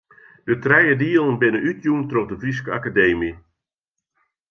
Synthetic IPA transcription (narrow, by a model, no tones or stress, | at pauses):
d̥ətrɛjədiəlˠnbɪnəʔytjuntrovdəfris̬kəakadeːmi